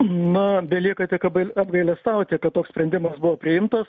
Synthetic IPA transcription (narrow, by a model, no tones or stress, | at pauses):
nʊbʲɛlʲiɛkɐt̪ʲɪkɐbɡɐlɐbɡɐɪlʲɛst̪ɐʊt̪ʲekɐt̪t̪oːksʲpʲɾʲɛnʲd̪ʲɪmɐsbʊʋoːpʲɾʲɪɪmt̪ɐs